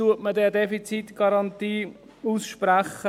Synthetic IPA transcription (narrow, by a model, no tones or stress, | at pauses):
uətmədɛːdɛfit͡sit̪ɡ̥ɑɾɑnt̪iː | uːsʃpɾæχə